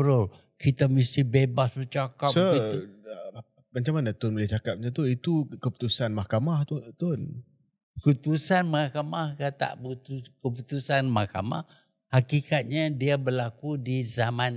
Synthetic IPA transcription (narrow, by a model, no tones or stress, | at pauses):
bɾʊl | kit̪amisihbebasbət͡ʃakapsəit̪u | mat͡ʃaŋmanat̪ʊnblaht͡ʃakap̚ɲat̪uit̪ukəpu̥t̪usanmahkamaht̪t̪ʊn | kut̪usanmahkamahkat̪a̰ʔput̪ukəput̪usanmahka̰ma̰h | hakikat̪̚ɲadiabərlakudizaman